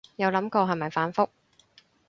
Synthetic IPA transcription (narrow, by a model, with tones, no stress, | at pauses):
jɐ˨˧wlɐ˨˥mkɔː˧ɦɐ˨˩mɐ˨˩jfaː˨˥nfʊ˥k̚